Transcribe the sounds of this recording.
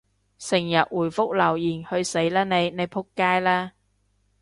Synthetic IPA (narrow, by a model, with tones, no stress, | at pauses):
sɪ˨˩ŋjɐ˨t̚wuː˨˩jfʊ˥k̚lɐ˨˩wjiː˨˩nhɵ˧ɥse˨˥jlɛː˥ne˨˧jne˨˧jpʰʊ˥kːaː˥jlɛː˥